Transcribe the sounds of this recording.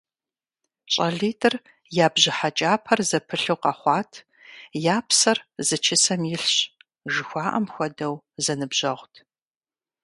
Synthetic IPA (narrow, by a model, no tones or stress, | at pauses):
t͡ʃʼɐɮiːtʰʼɨr | jaːbʑɪħat͡ʃʼaːpʰɐrzɐpʰɨɬɨwqɐχʷɑːtʰ | jaːpʰsɐrzɨt͡ʃʰɪsɐmjɪɬɕ | ʒɪxʷɑːʔɐ̰mxʷɔdɐw | zɐnɨbʑɐʁʷtʰ